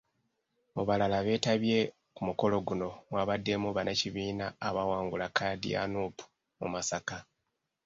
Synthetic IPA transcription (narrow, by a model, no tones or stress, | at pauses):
oβalalaβe̞ːtaβje̞ | kumuko̞lo̞ɡuno̞mwaːβadːe̞muβanaciβiːnaːβawaːŋɡulakaːdḭa̰nuːpu̥ | mṵmasaka